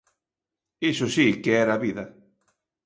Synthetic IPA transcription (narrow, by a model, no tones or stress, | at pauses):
isosikeɛɾaβiðɐ